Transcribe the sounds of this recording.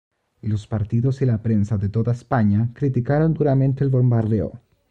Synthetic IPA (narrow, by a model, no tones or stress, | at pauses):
ilo̞spaɾt̪iðosilapɾe̞nsaðet̪o̞ðaespaɲakɾit̪ikaɾo̞nd̪uɾamẽ̞nt̪eːlβo̞mbaɾðeo̰